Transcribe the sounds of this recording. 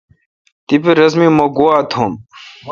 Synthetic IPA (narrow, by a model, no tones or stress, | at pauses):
t̪ibiɾɐzmimoɡuaːt̪ʰum